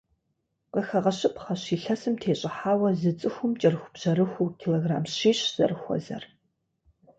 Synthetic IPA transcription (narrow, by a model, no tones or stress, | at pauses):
qəxɐʁɐɕɪpχɐɕiːɬɐsɨmtʰeːɕʼɪħaːwɐzɨt͡sʼɨxʷʊmt͡ʃʼɐrxʷʊbʑ̥ɐɾɨxʷuːkʰiloːɣra̰ːmɕiːɕz̥ɐ̰rɨxʷɔ̰zɐ̰r